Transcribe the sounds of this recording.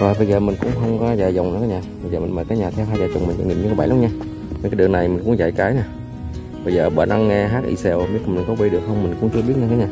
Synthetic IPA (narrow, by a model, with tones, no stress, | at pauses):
kaː˨˩ɓə˧jzəː˨˩mï˨˩ŋ̟kʊ̰˧˥ŋ͡mxə˧wŋ͡mkɔ˨˦zaː˨˩jz̰ŋ͡mnɨ̰˨˦kaː˨˦ɲaː˨˩ɓə˨˧jzəː˨˩mi˨˩ŋməː˨˩kaː˨˦jɲaː˨˩t̪ʰɛ˧wɦaː˧jzaː˨˩t͡ɕo̰˨˩ŋ͡mmi˨˩ŋa̰˧˩ɲi˨˩mɲ˧kːaː˨˦ɓaː˧˦jla˨˦ŋ͡mɲaː˧ | ɲ˧kːaː˨˦ɗɨ˨˩ə˩na˨˩jmi˨˩ŋ̟kʊ̰˧˥ŋ͡mt͡ɕa˧˩jkaː˨˦jɲaː˧˩ | ɓə˧jzəː˨˩ɓəː˧˩˦nɗa˧ŋːɛ˧ɦaː˦˥t̚ʔḭ˧sɛ˧wm˧˦˥kːmi˨˩ŋkɔ˨˦və˧jɗɨ˨˩ək̚hə˧wŋ͡mmï˨˩ŋ̟kʊ̰˧˥ŋ͡mt͡ɕɨ˧əɓi˦˥ət̚ɲaː˧˩kaː˨˦ɲaː˨˩